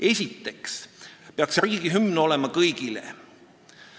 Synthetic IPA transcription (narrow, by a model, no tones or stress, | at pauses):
e̞sʲit̪ːe̞kspeɑksriːɡ̥iɦymno̞le̞mɑkɤjɡ̥ilḛ